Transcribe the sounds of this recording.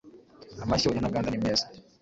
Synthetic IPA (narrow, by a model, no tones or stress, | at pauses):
amaɕiwoɲanaɡaːndanimeːsḁ